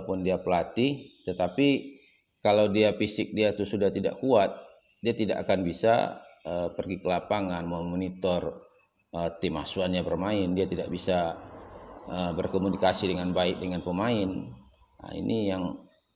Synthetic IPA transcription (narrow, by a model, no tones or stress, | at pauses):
pʊndiapəlat̪it̪ət̪api | kalawdiafisɪk̚diat̪usudaht̪ida̰ʔkuat̪̚ | diat̪idaʔakanbisa̰əpərɡikəlapaŋanmamonit̪ɔr | ət̪imasuanɲabərmaɪndiat̪ida̰ʔbisa | əbərkomunikasidəŋanbaɪk̚dəŋanpəmaɪn | a̰ḭnʔijaŋ